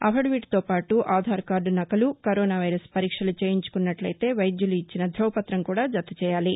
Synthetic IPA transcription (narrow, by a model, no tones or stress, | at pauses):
ɐ̰fʰɐɽʋiːʈt̪oːpaːʈuʔaːd̪ʱaːɾkaːɾɖunɐkɐlukɐɾɔːnaːʋɐjɾɐspɐɾiːkʂɐlut͡ʃeːjiɲt͡ʃu̥kunːɐʈlɐjt̪e̞ːʋɐjd̪juluit͡ʃːinɐd̪ʱɾɔːpɐt̪ɾɐmkuːɽaːd͡ʒɐt̪ːut͡ʃɛːjaːli